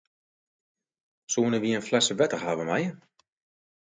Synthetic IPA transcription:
soːnəʋiənflɛsəʋɛtəhaːʋəmajə

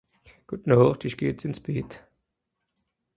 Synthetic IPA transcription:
ɡ̥ʊtnoʁtɪçɡ̥eːt͡sɪnsb̥eːt

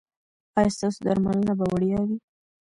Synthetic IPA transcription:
ɑjast̪ɑsod̪aɾmalənabawaɽijawi

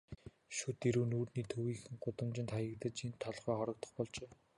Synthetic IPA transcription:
ʃut̪eɾuːnuːrniːt̪ʰɵwiːxɘ̆ŋɢʊt̪ə̆mt͡ɕɪ̆nt̪ʰajə̆k̚t̪ə̆t͡ɕint̪ʰːɔɮχœːχɔɾɞ̆k̚t̪ɞ̥̆χpɔɮt͡ɕeː

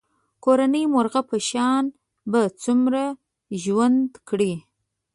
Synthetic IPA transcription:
koɾanəjmʊɾɣapəʃɑn | bat͡sumɾa | ʒwand̪kɽi

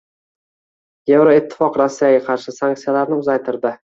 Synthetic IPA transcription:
je̞vɾɒɪt̪ʰːɪ̥fɒqɾasːijaɡʲaqʰɑɾʃɪsaŋk̚t̪sijalaɾnɪʊzajt̪ʰɪɾd̪ɪ

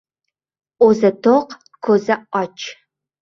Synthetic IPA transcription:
ʔʷɔzɐtʰoq | kʰʷozɐʔɑt͡ʃʰʼ

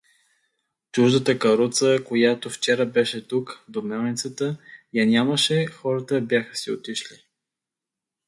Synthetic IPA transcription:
t͡ʃuʒd̪ət̪əkɐɾut̪səkojat̪oft͡ʃɛɾəbɛʃɛt̪ukd̪omɛlˠnit̪sət̪əjɐnʲaməʃɛxɔɾət̪əbjaxə̥sio̰t̪iʃli

